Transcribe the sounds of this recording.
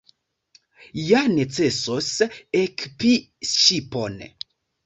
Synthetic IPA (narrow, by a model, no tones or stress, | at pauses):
jane̞t͡se̞sosekpi | ʃipon